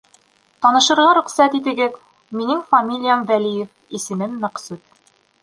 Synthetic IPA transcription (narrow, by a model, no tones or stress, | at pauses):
t̪ɒnɤ̆ʃɤ̆ɾʁɑɾɵ̆qsæt̪it̪ɘ̆ɡɘð | minɘŋfɐmʲilʲijamðælijɘf | isɘ̆mɘnːæ̆qsʉt̪̚